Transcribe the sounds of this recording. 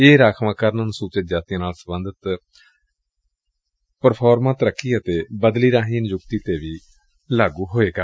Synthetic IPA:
eːɾaːkʰʋãːkəɾnənsuːt͡ʃəd͡ʒaːt̪ijãːnaːlsəbənd̪ət̪ | pəɾpʰɔːɾmãːt̪əɾəkʰːiːət̪eːbəd̪liːɾaːɦiːnjʊkt̪iːt̪eːʋiː | laːɡuːɦoːeːɡaː

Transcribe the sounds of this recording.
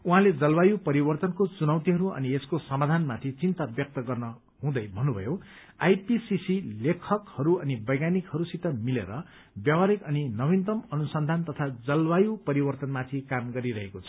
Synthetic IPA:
uɦãled͡zʌlbajupʌɾibʌrt̪ʌnkot͡sunʌwt̪iɦʌɾuʌ̰nieskosʌmad̪ʱanmat̪ʰit͡sint̪abjʌk̚t̪ʌɡʌrnʌ | ɦũd̪ʌjbʱʌnːubʱʌ̰jo | ajpisisilekʰʌkhʌɾuʌnibʌjɡanikɦhʌɾusit̪ʌmilḛɾʌ | bjʌwaɾikʌninʌwint̪ʌmʌnusʌnd̪ʱant̪ʌt̪ʰad͡zʌlbajupʌɾibʌrt̪ʌnmat̪ʰikamɡʌɾiɾʌɦekot͡sʰʌ̥

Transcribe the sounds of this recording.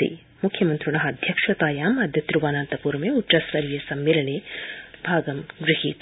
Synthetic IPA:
ḭ | mukʰjɐmɐnt̪ɾuɳɐɦɐd̪ʱjɐkʂʋɐt̪aːjaːmɐd̪ʱjɐt̪ɾuʋaːnaːnt̪ɐpuːɾmeuʈʃɐsʋɐɾijesɐmːeːlɐɳeːbʱaːɡɐmɡɾɪɦḭːt̪

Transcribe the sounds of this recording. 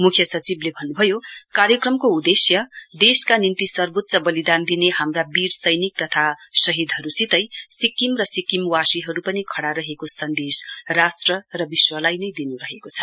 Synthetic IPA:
mukʰjʌsʌt͡siblebʱʌnːubʱʌjokaɾjʌkrʌmkoud̪esjʌd̪eskanint̪isʌrbot̪t͡sʌbʌlid̪and̪ineɦamrabirsʌjnik̚t̪ʌt̪ʰasʌɦid̪ʱʌɾusit̪ʌjsikimrʌsikimwasiɦʌɾupʌnikʰʌɽaɾʌɦekosʌnd̪esrasʈrʌrʌbiswʌlajnʌjd̪inuɾʌɦekot͡sʰʌ̥

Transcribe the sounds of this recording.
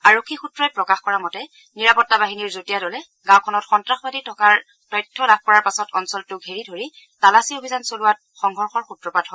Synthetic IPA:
aɹokʰːixutɹɔjpɹɔkaxkɔɹamɔtɛ | niɹapɔtːabaɦiniɹzotijadɔlɛ | ɡãwkʰɔnɔtxɔntɹaxbaditʰɔkaɹ | tɔjtʰːɔlab̚kɔɹaɹpasɔtɔnsɔltʊɡʱeɹidʱoɹi | talasiobʱizansolʊwat̚xɔŋɡʱɔɹxɔɹxutɹɔpadɦɔ

